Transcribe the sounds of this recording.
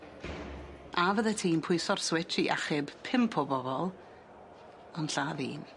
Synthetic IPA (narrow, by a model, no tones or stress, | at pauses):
avəðɛtʰiːnpʰʊɨsɔrswɪtʰiʔaχɪbpʰɪmpʰɔbɔbɔlˠ | ɔnɬaːvḭːn